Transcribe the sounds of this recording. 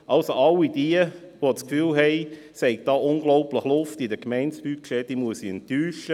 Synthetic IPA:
ʔɑlsoɑlːid̥iəʋot͡skfyːlɦɛɪ | sɛɪk̚d̥ɑːʊŋɡlɔʊpləχlʊftɪdəkmɛɪntspyːkʃɛtiːmuəsiɛntyːʃə

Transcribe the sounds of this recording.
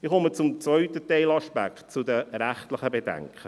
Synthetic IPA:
ɪχʊmət͡sʊmt͡svœʏt̪ət̪ɛɪlɑʃpæ̰kχt̚t͡sʊd̪əɾæχt̪lɪχəbed̥̪æ̰ŋkχə

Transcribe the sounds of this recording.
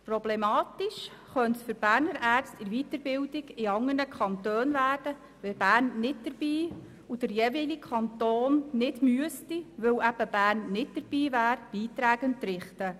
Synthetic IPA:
problɛmɑːt̪iʃ | χœntsfʏɾb̥æːrnəɾæːrt͡stɪɾʋitəɾbɪwdɪɡɪɑŋənəkχɑnt̪øːnvæːrd̥ə | ʋɛb̥æːrnːɪtd̥əɾb̥iː | ud̥əɾjeːvilikʰɑnt̪oːnnɪdmyəstiʋɵwæb̥əb̥æːrnnɪt̚d̥̪əɾb̥iːvæːɾb̥iːt̪ɾæːɡəntːɾɪχtə

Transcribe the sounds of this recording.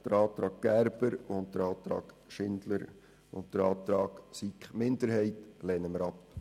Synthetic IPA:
d̥əɾɑːt̪ɾɑːɡ̚ɡ̥æɾb̥əɾʊnt̚d̥̪əɾɑːt̪ɾɑ̰ːɡ | ʃɪndləɾ | ʊnt̚d̥əɾɑːt̪ɾɑːɡ̥sikχmɪndəɾɦɛɪtlɛːnəməɾɑp

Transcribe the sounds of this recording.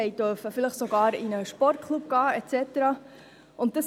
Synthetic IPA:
ɛɪd̥øfəfɪləχsoɡɑːɾɪnəʃpɔrt̚kʰlupɡ̥ɑːɛt͡sɛtəɾɑ | ʊntd̥ɑs

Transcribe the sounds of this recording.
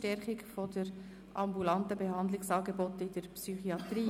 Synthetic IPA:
tɛɾχɪkfodəɾ | ʔɑmbulɑntəbeɦɑnd̪lɪksɑːɡebɔtɪdəɾpsyχiɑt̪ɾiː

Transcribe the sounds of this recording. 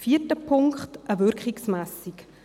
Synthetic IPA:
fiːətəpʰʊŋkχtʔəvʏɾkχiksmæːsik

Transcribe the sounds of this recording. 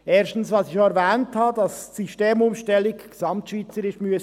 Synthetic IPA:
eːɾʃtn̩svʋɑsɪxjoɛɾvɛːnthɑːdɑssyʃteːmʊmʃtɛlːɪɡɡ̥esɑmtʃʋiːt͡səɾɪʃmyəs

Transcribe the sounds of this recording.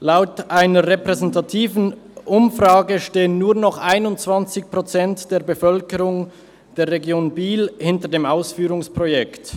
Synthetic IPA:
laʊtʔaɪnɐʁɛpʁɛzɛntatʰiːvn̩ʔʊmfʁaːɡəʃteːənːuːɐnɔχʔaɪnʊnt͡sv̥ant͡sɪçpʁ̥ot͡sɛntd̥eːɐbəfœlkəʁʊŋ | d̥eːɐʁeɡjoːnbiːlhɪntədeːmaʊsfyːʁʊŋspʁ̥ojɛkt

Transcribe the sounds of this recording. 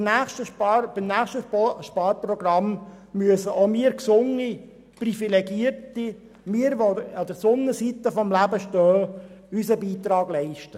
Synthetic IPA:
næːχʃtəb̥imnæːχʃtəʃpɑːɾprɔɡɾɑm | myəsəʔomiəɾksʊŋːi | prifileɡiəɾti | miːəɾʋoɑd̥̪əɾsʊnːəsit̪əfɔmlæbəʃtœː | ysəbiːt̪ɾɑːɡlɛɪʃtə

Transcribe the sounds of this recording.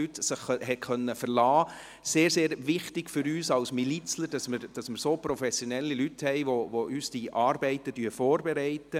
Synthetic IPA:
ytsɪχhɛtkʰœnːəfərlɑː | seːɾseːɾʋɪχtɪɡfʏɾyːsɑʊsmilit͡sləɾd̥ɑsmɪɾd̥ɑsmɪɾsoːpɾɔfɛsjɔnɛlːilythɛɪʋoʋoʔysd̥iʔɑːrbɛɪtəd̥yːfɔːɾbɛɾɛɪtə

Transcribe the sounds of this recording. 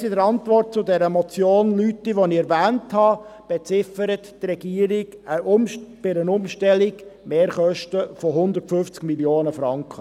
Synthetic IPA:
sɪdəɾɑntʋɔrt̚t͡sʊdɛɾəmɔt͡sjoːnlytːiʋoniɛɾvæːnthɑb̥ɛt͡sɪfəɾəttrɛɡ̥iːəɾɪɡəb̥ɪɾənʊmʃtɛlɪɡmeːɾχœʃtəfɔɦʊnd̪ərtfʏft͡skmiljoːnəfɾɑŋkχə

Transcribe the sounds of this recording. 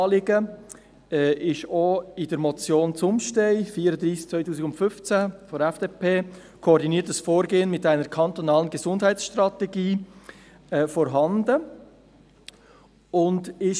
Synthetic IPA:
lɪɡə | ɛːʔɪʃoɪdəɾmɔt͡sjoːnt͡sʊmʃtɛɪfiːɾədɾiːst͡svœɪtʰuːsɪkʊntfʏft͡sæfɔɾɛfd̥eːpʰeː | kʰoːɾdiniəɾtəsfoːɾɡeːənmɪtaɪnəɾkʰɑnt̪onɑːlənɡɛzʊndɦæɪtsʃtrɑtɛɡiː | ɛfɔɾɦɑndə | ʊndɪʃ

